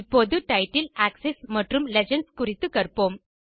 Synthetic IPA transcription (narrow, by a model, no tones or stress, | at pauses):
pod̪ʱuʈajʈilæksesməʈɾumled͡ʑəɳɖskuɾit̪ukəɾpom